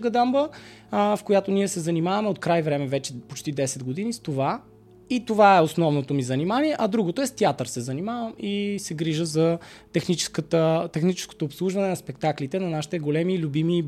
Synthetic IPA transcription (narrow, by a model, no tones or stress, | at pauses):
ɡɐd̪ambə | fkojat̪oniɛsɛzɐnimavɐmɛot̪̚kɾajvɾɛmɛvɛt͡ʃɛpot͡ʃt̪id̪ɛsɛd̪ɡod̪inist̪ova | it̪ovaɛosnɔvnot̪omizɐnimanʲiɛʔɐd̪ɾuɡot̪oɛst̪ʲiat̪əɾsɛzɐnimavəmisɛɡɾiʒəzɐt̪ɛxnit͡ʃɛ̥skət̪ət̪ɛxnit͡ʃɛ̥sko̥t̪oːpslˠuʒvɐnɛnɐspɛk̚t̪aklit̪ɛnɐnaʃi̥t̪ɛɡolɛmilʲubimi